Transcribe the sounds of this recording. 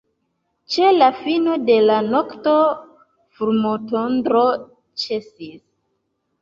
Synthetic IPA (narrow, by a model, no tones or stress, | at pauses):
t͡ʃe̞lafinode̞lanokto | fuɾmotondɾo | t͡ʃe̞sis